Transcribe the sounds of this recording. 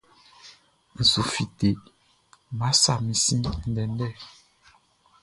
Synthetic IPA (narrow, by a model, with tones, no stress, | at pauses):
n̩˨zu˨fi˨te˨ | ma˨˦sa˨mĩ˨sĩ˦n̩˨dɛ˨n˦dɛ˦˨